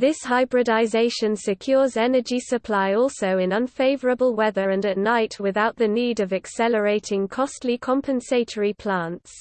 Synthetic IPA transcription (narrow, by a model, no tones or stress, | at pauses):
ðɪshaɪbɹɪdaɪzeɪʃə̃nsɪkʰj̥ɔːzɛnəd͡ʒisəpʰl̥aɪɔˑlˠsəʊɪ̃nʌ̃nfeɪvəɹəbəlˠwɛðəɹə̃ndəʔⁿnaɪtwɪðaʊʔðəniːdəvɛksɛləɹeɪtʰɪ̃ŋkʰɒstʰˡlikʰɒ̃mpʰə̃nseɪtʰəɹipʰl̥ãˑnts